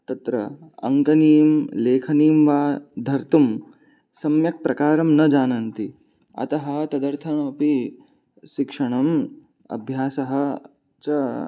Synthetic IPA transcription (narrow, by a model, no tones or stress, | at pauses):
t̪ɐt̪ɾɐ̰ɐ̰ŋkɐniːmleːkʰɐniːmʋaːd̪ʱɐɾt̪um | sɐmjɐk̚pɾɐkaːɾɐmnɐd͡ʒaːnɐnt̪i | ɐ̰t̪ɐɦɐ̆t̪ɐd̪ɐɾt̪ʰɐɳɐɐpi | ʃikʂɐɳ̃ɐm | ɐ̰bʱjaːsɐɦɐ̆ | t͡ʃɐ